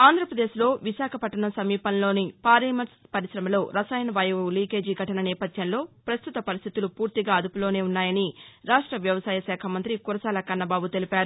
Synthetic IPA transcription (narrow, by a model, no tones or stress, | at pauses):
aːnd̪ʱɾɐpɾɐd̪e̞ːʃlo̞ːʋiʃaːkʰɐpɐʈːɐɳɐsɐmiːpɐnlo̞ːnipaːɾɐmɐɾspɐɾisɾɐmɐlo̞ːɾɐsaːjɐnʋɐjɐʋuliːke̞ːd͡ʒiːɡʱɐʈɐnɐnɛːpɐd̪ʱjɐnlo̞ːpɾɐst̪ut̪ɐpɐɾist̪ʰit̪ulupuːɾt̪iɡaːɐd̪upulo̞ːne̞ːunːaːjɐniɾaːʂʈɾɐʋjɐʋɐsaːjɐʃɛːkʰɐmɐnt̪ɾikuɾɐsaːlɐkɐnːɐbaːbut̪e̞lipaːɾu